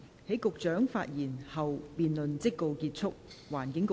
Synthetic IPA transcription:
he˨˥jkʊ˨k̚t͡ʃœː˨˥ŋfa̰ː˧t̚jiː˨˩nhɐ˨wpiː˨nlɵ˨nt͡sɪ˥kːo˨wkiː˧t̚t͡sʰʊ˥k̚waː˨˩nkɪ˨˥ŋk

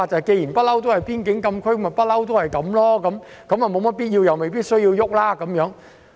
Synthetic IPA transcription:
a˨˧˩t͡ɕaː˨˩ke˧ji˨˩npaː˦˥la˧wt̪u˨˥haː˨˩jpi˧˥ənki˨˦ŋkə˧mkʰwe˧˥jmaː˨˩paː˦˥la˧˩wt̪u˨˦haː˨˩jkə˨˦mlɔ˧˥kɔ˨˦m | kɔ˨˦maː˨˩mo˨˩mɔ˨˦˥ɓi˦˥t̚ʔi˧wja˨˩wmə˨˩bi˦˥ət̚sɔː˧˦ji˧wjʊ˦˥k͡p̚laː˧˥kə˨˦mjɔː˨˦ŋ

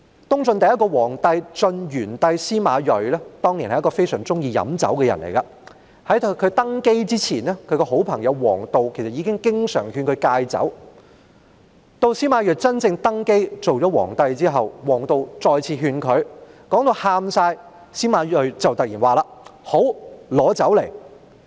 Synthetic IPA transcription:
t̪ʊ˥ŋt͡sɵ˧nt̪ɐ˨jɐ˥tkɔː˧wɔː˨˩ŋt̪ɐ˧jt͡sɵ˧njyː˨˩nt̪ɐ˧jsiː˥maː˨˧jɵ˨ɥlɛː˥t̪ɔː˥ŋni˨˩nhɐ˨jkɔː˧fe˥jsœː˨˩ŋt͡sʊ˥ŋjiː˧jɐ̰˨˧mt͡sɐ̰˨˥wkɛ˧jɐ̰˨˩nlʔḛ˨˩jkɐ˧ | hɐ˨˥jt̪kʰɵ˨˧ɥt̪ɐ˥ŋke˥jt͡siː˥t͡sʰiː˨˩nɛː˥kʰɵ˨˧ɥkɔː˧ɦo˨˥wpʰɐ˨˩ŋjɐ˨˧wwɔ̰ː˨˩ŋt̪o˨wkʰe˨˩jsɐ˨˩jiː˨˧kɪ˥ŋkɪ˥ŋsœ̰ː˨˩ŋhyː˧nkʰɵ˨˧ɥkaː˧jt͡sɐ̰˨˥w | t̪o˧wsiː˥maː˨˧jœː˨˩t͡sɐ˥nt͡sɪ˧ŋt̪ɐ˥ŋke˥jt͡so˨wt͡sɔː˨˥wɔ̰ː˨˩ŋt̪ɐ˧jt͡siː˥ɦɐ˨wwɔː˨˩ŋt̪o˨˧wt͡sɔː˧jt͡sʰiː˧ɦyː˧nkʰɵ˨˧ɥkɔː˨˥ŋt̪o˧whaː˧msaː˧j | siː˥maː˨˧jɵ˨ɥt͡sɐ˨wt̪ɐ˨k̚jiː˨˩nwaː˨laː˨ho˨˥wlɔː˨˧˥t͡sɐ˨˥wle˨˩j

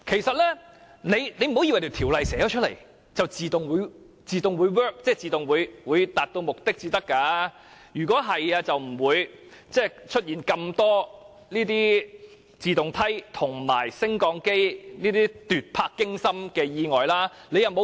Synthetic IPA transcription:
kʰe˨˩jsɐ˨t̚lɛː˥ | ne˨˧jne˧jm̩˨ho˧wji˧wjt̪e˨˩t̪ʰiː˨˩wlɐ˨jsɛː˨˥jɔː˨˧˥t͡ʃʰɵ˥t̚lḛ˨˩j | t͡sɐ˨wt͡siː˨t̪ʊ˨ŋwuː˨˧j | t͡siː˨t̪ʊ˨ŋwuː˨˧jwœː˥k̚t͡sɛː˥t͡siː˨t̪ʊ˨ŋwuː˨˧jwuː˨˧jt̪aː˨t̚t̪o˧wmʊ˨k̚t̪ɪ˥k̚t͡siː˧t̪ɐ˥kːaː˧ | jyː˨˩kʷɔː˨˥ɦɐ˨jaː˧t͡sɐ˨wm̩˨˩wuː˨˧jt͡sɛː˥˩t͡ʃʰɵ˥t̚jiː˨˩nkɐ˧mt̪ɔː˥ | niː˥t̪iː˥ | t͡siː˨t̪ʊ˨ŋt̪ʰɐ˥jt̪ʰʊ˨˩ŋma̰ː˨˩jsɪ˥ŋkɔː˨˧ŋke˥jniː˥t̪iː˥t̪yː˨t̚pʰaː˧kːɪ˥ŋsɐ˥mkɛː˧jiː˧ŋɔː˨jlaː˥ne˨˧jɐ˨wmo˧

